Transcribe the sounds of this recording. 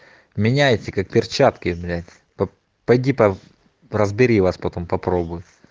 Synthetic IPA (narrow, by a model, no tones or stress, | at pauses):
mʲɪnʲæjtʲɪkak̚pʲɪrt͡ɕat̪kʲɪblʲætʲ | pɐ | pɐjdʲipɐ | rəzbʲɪɾʲiʋaspɐt̪o̞mpɐpɾo̞bʊjʊ